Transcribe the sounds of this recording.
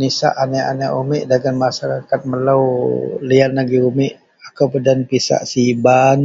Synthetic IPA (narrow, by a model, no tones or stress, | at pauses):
nisa̰ʔanɛa̰naʔumɪʔdaɡanmasaɾakat̪̚məlawlianlaɡiumɪʔ | akawpədanpisa̰ʔsiban